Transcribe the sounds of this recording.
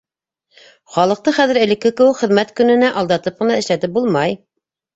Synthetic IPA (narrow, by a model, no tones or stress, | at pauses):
χɑlˠɤ̆q̚t̪ɤχæðɘɾɘ̆lɘ̆kːɘkɘ̆wɘkχɘ̆ðmæt̪kɵ̆nɘ̆næʔɑlˠd̪ɑt̪ɤp̚qɤ̆nɑɘ̆ʃlæt̪ɘp̚bulˠmɑj